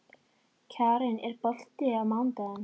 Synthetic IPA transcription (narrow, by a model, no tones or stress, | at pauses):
cʰaːɾɪnɛɾpœl̥t̪ɪaðmawnt̪aɪn